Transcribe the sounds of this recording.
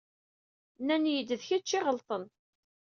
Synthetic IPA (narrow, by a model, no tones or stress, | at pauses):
nːænjəd̪ːəðçæt͡ʃːɪʁəlt̪ˤən